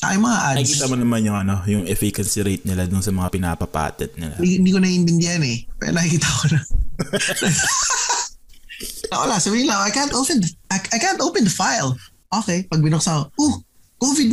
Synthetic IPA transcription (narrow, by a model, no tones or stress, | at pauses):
t̪a̰jomɐŋaʔadɪiːt̪amonɐmanjʊŋɐno̞jʊŋʔɛfikɐnsiɾejt̪̚nɪlad̪ʊnsɐmɐŋapɪna̰ːpɐpa̰ːt̪ɛd̪̚nɪlaiɪnd̪iːkonɐɪnb̪ɪnd̪jɐnɛpɛ̰ːɾnɐhɪkiːt̪akonɐ | nɐ | nɐwɐ̰lasɐwɪnlɐʔajkant̪owpɛ̃nd̪ɐʔaʔajkant̪ʔowpɛnd̪ɐfajl | ʔoːkɛjpɐɡ̚bɪnok̚saoʔuh | kovɪd̪̚